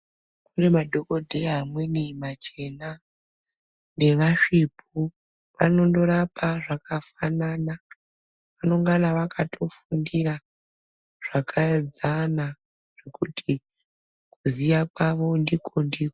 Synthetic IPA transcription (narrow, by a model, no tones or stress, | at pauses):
kunemadʱo̞ko̞dʱeɦamwenimat͡ʃe̞na | ne̞ʋaʂip̚ʰu | ʋano̞ndo̞rapaʐakʰafanana | ʋano̞ŋɡanaʋakʰatʰo̞fundira | ʐ̥akʰaed͡zana | ʐ̥e̞kutʰi | kuzijakwaʋo̞ndikʰo̞ndiko